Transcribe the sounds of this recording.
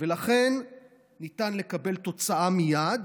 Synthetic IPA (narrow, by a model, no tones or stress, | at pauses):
velaχe̞nː | it̪anle̞kabe̞lt̪o̞t͡saamijad̪